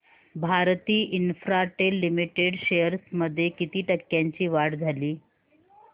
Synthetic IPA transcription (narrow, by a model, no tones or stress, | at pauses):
bʱaɾt̪iːʔinfɾaʈelːimiʈeɽɕejəɾsməd̪ʱːjekit̪iːʈəkːjãɲt͡ɕiːʋaɽd͡zʱaliː